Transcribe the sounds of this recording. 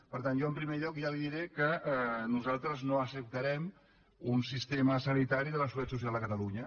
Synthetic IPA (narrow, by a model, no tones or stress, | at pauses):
pəɾt̪anʒɔəmpɾimeʎɔkʒaliðiɾekəɛnuzalˠt̪ɾəznoəsəp̚t̪əɾɛm | unsist̪eməsənit̪aɾiðələsuat̪susialˠd̪əkət̪əluɲə